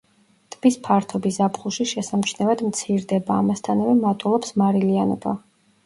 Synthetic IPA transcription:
t̪ʼb̥ispʰaɾt̪ʰɔbisapχuʃiʃɛsamt͡ʃʰnɛvad̪mt̪sʰiɾd̪ɛbaːmast̪ʰanavɛmat̪ʼulˠɔpsmaɾilianɔ̰ba

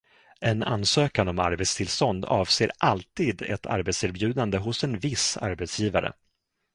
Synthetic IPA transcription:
ʔɛna̰nsøːkanɔma̰ɾbɛt̪st̪ʰɪlst̪ɔnd̪ɑːvseːɾʔalt̪iːd̪ɛ̰t̪ʰa̰ɾbɛt̪seːɾbjʉ̟ːd̪and̪əɦʊsɛnvɪsa̰ɾbɛt̪sjiːvaɾə̰

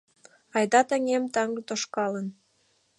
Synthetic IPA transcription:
ɑjd̪ɑt̪ə̆ŋemt̪ɑŋɡɤt̪oʃkɑlən

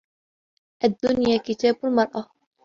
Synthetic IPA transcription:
ʔad̪ːʊnjaːkɪt̪aːbalmɑɾˤʔɑ

